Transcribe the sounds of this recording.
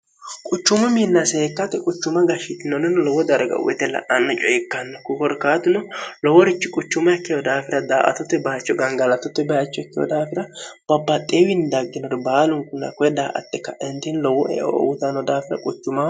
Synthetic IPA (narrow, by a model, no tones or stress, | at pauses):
kʼʊt͡ʃːʊmɐminːɐseːkːɐt̪ːɛkʼʊt͡ʃːʊmɐɡɐʃɪt̪ɪnɔnɛnlɔwːɔd̪ɐɾɡɐ̰ʊ̰wɛ̰t̪ːɛlɐ̰ʔɐnːɔt͡ʃʼɔjɛkːɐnːɔkʊkɔɾkaːt̪ɪnɔlɔwɔɾɪt͡ʃːɪkʼʊt͡ʃːʊmɐɛkːɪjɔd̪aːfɪɾɐd̪aːʔɐ̰t̪ʊt̪ːɛbɐjɐt͡ʃːɔɡɐŋɡɐlɐt̪ːʊt̪ːɛbɐjɐt͡ʃːɔɛkːɪjɔ̰d̪aːfɪɾɐb̥ɐbːɐt̪ʼːeːwɪnd̪ɐɡːɪnɔɾbaːlʊŋkʊnːɐ̰kɔɛd̪aːʔɐ̰t̪ːɛkːɐʔɛnt̪ɪnlɔwɔʔɛ̰ʔɔʔɔ̰wʊt̪ɐnːɔd̪aːfɪɾɐ̰kʼʊt͡ʃːʊmɐ